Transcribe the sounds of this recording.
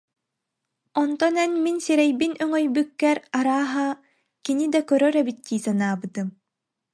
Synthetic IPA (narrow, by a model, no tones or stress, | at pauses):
ɔnt̪ɔnɛnminsiɾɛjbinœŋœjbykːɛɾaɾaːɦa | kinid̪akœɾœɾɛbit̪ːiːsanaːbɯt̪ɯm